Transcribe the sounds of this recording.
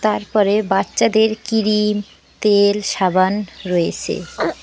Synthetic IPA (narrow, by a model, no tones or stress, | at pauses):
t̪aɾpɔɾebatːɕad̪eɾkiɾim | t̪elʃabanɾɔet͡ɕʰḛ